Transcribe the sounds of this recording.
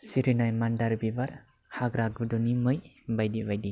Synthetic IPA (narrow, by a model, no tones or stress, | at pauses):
siɾinajmandaɾbibaɾ | haɡɾaɡɯdunimɯjbajdibajdi